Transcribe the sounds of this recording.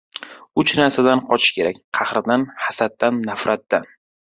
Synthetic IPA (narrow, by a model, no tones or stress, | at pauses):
ʊt͡ʃnaɾsad̪anqʰɒt͡ʃʰɪ̥ʃkʲʰe̞ɾakʲqʰɑhɾɪd̪anhasat̪ːanːafɾat̪ːan